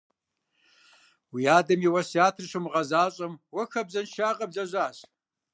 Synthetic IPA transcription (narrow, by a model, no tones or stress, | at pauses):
wiaːdɐmiwɐsiaːtʰrɕɨmʁɐzaːɕʼɐmwɐxɐbzɐnʃaːqʼɐbɮɐʑʷaːɕ